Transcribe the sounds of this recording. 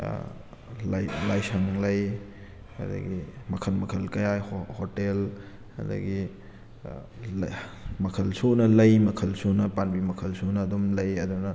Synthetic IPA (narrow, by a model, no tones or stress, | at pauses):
lajlajsɐŋlɐj | hɐ̰d̪ɐ̰ɡimɐkʰɐlmɐkʰɐlkɐjajhhotel | ɐ̰d̪ɐ̰ɡi | mɐkʰɐlsonɐlɐjmɐkʰɐlsonɐpanbimɐkʰɐlsonɐːdumlɐjɐdunɐ